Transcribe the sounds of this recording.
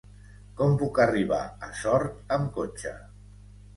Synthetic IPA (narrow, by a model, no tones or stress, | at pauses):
kɔmpukəriβ̞a̰əsɔɾt̪əmkot͡ʃə̰